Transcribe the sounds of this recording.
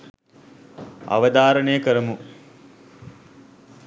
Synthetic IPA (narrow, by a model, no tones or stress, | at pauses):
a̰ʋɐd̪aːɾəɳejəkəɾəmu